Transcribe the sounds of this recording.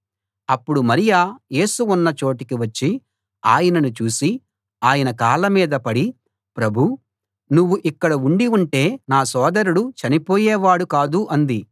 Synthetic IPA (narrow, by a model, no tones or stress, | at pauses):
ɐpːuɽumɐɾijaːje̞ːsuunːɐt͡ʃo̞ːʈikiʋɐt͡ʃːi | a̰ːjɐnɐnut͡ʃuːsi | aːjɐnɐkaːlɐmiːd̪ɐpɐɽi | pɾɐbʱu | nuʋːuʔikːɐɽɐuɳɖiuɳʈe̞ːnaːsɔːd̪ɐɾuɽut͡ʃɐnipoːjɛːʋaːɽukaːd̪uʔɐnd̪i